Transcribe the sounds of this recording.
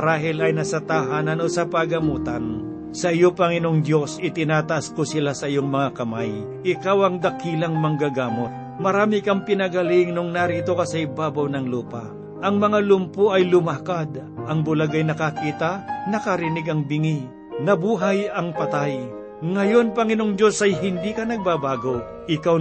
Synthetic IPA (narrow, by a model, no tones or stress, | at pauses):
ɐɾaːɦɪlɐjnɐsɐt̪aɦaːnɐnosɐpaɡɐmuːt̪an | sɐʔɪjopɐŋɪnoŋd̪jo̞sɪt̪ɪnaːt̪ɐʔaskosɪlasɐʔɪjoŋmɐŋakɐmaj | ʔɪkawɐŋd̪ɐkiːlɐŋmɐŋɡaɡaːmot̪̚ | mɐɾaːmɪkɐmpɪnɐɡɐlɪŋnʊŋnaɾiːt̪o̞kɐsɐɪbaːbawnɐŋluːpa | ʔɐŋmɐŋalʊmpoʔɐjlʊmakad̪ʔɐŋbʊlaɡɐjnɐkakiːt̪ɐnɐkɐɾɪnɪɡɐŋbɪŋi | nɐbuːɦɐjɐŋpɐt̪aj | ŋɐjo̞npɐŋɪnoŋd̪o̞sɐjɦɪnd̪iːkɐnɐɡ̚babaːɡo | ʔɪkaw